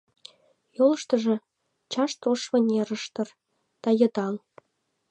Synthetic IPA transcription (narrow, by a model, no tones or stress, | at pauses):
jolɤ̆ʃt̪ɤ̆ʒĕ | t͡ɕɑʃt̪oʃβɤ̆nʲeɾə̆ʃt̪ɤ̆r | d̪̥ɑjɤ̆d̪ɑl